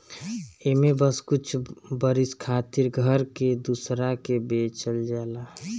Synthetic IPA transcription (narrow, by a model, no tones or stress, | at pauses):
emebəskut͡ʃʰbəɾiskʰaːt̪iɾɡʱəɾked̪usɾakebet͡ʃəld͡ʒala